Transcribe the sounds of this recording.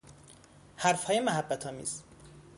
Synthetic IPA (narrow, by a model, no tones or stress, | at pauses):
hæɾfhɒːjemæɦæbːæt̪ʰɒːmḭːz̥